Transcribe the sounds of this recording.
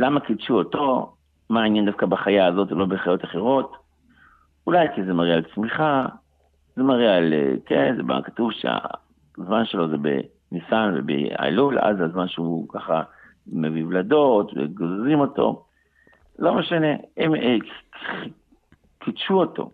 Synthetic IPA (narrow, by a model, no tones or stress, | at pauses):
lamakitʃuoto̞ | maːnjend̪afkabaχajaːzo̞tvelo̞beχajo̞taχeʁo̞t | ulajkizemaʁialt͡smiχa | zemaʁialḛkenzeba̰kḁtuvʃea̰ | zmanʃelo̞zebḛ | nisanvḛbḛa̰lula̰zazmanʃeukaχa̰ | mevivlado̞tvḛɡozzimo̞to̞̰ | lo̞meʃane̞em | kidʃuoto̞̰